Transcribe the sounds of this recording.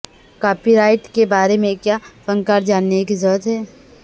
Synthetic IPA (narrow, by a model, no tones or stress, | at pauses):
kaːpiɾaːɪʈkebaːɾemẽkjaːfə̃ŋkaːɾd͡ʒaːnːekizɔːɾət̪ɦɛː